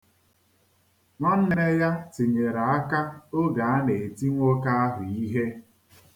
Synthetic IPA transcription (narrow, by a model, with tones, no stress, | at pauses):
ŋʷɔ˦n̩˦n˦ne˦ja˦ti˨ɲe˨ɾa˨a˦ka˦o˦ɡa˨a˦ne˨e˨ti˦ŋʷo˦ka˦a˦ɦʊ˨i˦ɦe˦